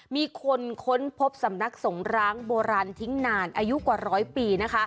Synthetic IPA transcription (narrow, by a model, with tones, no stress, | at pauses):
miː˧kʰo˧nkʰo˦˥npʰo˦˥p̚sa˩˦mna˦˥k̚so˩˦ŋɾaː˦˥ŋboː˧ɾaː˧nt̪ʰi˦˥ŋnaː˧nʔaː˧ju˦˥ʔkwaː˨˩ɾɔː˦˥jpiː˧na˦˥kʰa˦˥